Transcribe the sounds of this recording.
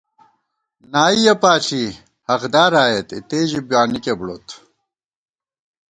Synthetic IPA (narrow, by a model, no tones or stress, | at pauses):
naːijɐpaːʈ͡ʂʰi | hɐɣd̪aːɾaːjet̪it̪eːʑibjaːnikebɽot̪